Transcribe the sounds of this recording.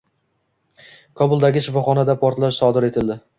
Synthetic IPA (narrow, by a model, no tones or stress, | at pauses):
kʰɒbʊlˠd̪aɡʲɪʃɪfɒχɒnad̪apʰɒɾt̪laʃsɒd̪ɪɾe̞t̪ʰɪld̪ɪ